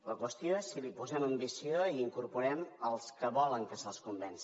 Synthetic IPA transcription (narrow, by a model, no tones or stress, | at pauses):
ləkwəst̪joesːilipuzɛməmbisioiiŋkuɾpuɾɛməlˠskəβɔləŋkəsəlˠskumbɛnsi